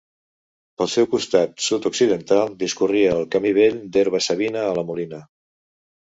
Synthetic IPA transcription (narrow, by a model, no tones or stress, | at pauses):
pəlˠsɛwkust̪at̪sut̪uksiðənt̪alˠd̪iskuriəːlˠkəmiβ̞eʎd̪eɾβ̞əsəβinəːləmulinə